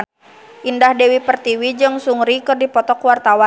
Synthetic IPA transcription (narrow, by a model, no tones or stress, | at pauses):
ʔindahdɛwipərt̪iwid͡ʒɨŋsuŋɾikɨrdipɔt̪ɔkwart̪awa